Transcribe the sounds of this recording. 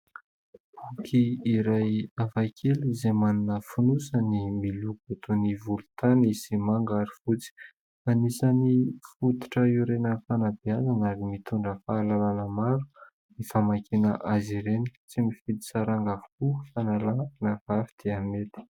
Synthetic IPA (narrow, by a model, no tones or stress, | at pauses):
b̥ukʰiːɾajavakʰelizemaninəfunusənimiluɡot̪onivulut̪anisimaŋɡaɾifut͡si̥ | anisanifut̪i̥ʈ͡ʂəiɾenəfanabiazanaɾimit̪uɳɖ͡ʐəfaːlalanəmaɾu̥ | nifamakʰinə̰ʔaziɾenit͡simifid̪i̥saɾaŋɡavukufanalanav̥avid̪̥eamet̪i̥